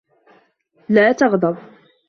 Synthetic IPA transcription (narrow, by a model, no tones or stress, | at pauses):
laːt̪ɑɣd̪ˤɑb